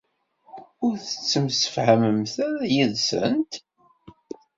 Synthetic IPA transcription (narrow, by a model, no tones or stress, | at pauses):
ʊɾθə̥t͡sːəmsə̥fhæməmθæɾæjiðsə̰nt̪